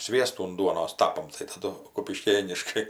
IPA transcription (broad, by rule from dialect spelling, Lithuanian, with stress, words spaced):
ˈsʲʋʲiɛstuː ʊn ˈduɔnoːs ˈtɑːpɐm tɐɪ tɐˈdʊ kʊpʲɪˈʃʲkʲeːnʲɪʃkɐɪ